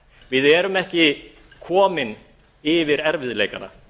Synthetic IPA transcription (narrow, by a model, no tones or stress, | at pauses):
vɪðɛɾʏmɛhcɪ | kʰɔːmɪn | ɪvɪɾɛɾvɪðlejka̰na̰